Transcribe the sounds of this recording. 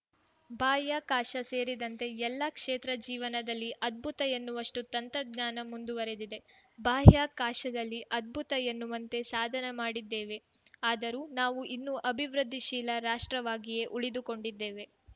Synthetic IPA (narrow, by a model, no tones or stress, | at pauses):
bʱaːjaːkaːʂɐse̞ːɾid̪ɐnt̪e̞ɛlːɐkʂeːt̪ɾɐd͡ʒiːʋɐnɐd̪ɐlːiʔɐd̪̚bʱut̪ɐjɐnːuʋɐʂʈut̪ɐnt̪ɾɐɡɲaːnɐmund̪uʋɐɾed̪id̪e̞baːɦjaːkaːʂɐd̪ɐlːiʔɐd̪̚bʱut̪ɐjenːuʋɐnt̪e̞saːd̪ʱɐnemaːɽid̪ːeːʋe̞ | aːd̪ɐɾuːnaːʋuʔinːuʔɐbʱiʋɾɐd̪ʱːiʃiːlɐɾaːʂʈɾɐʋaːɡije̞ʔuɭid̪uko̞ɳɖid̪ːeːʋe̞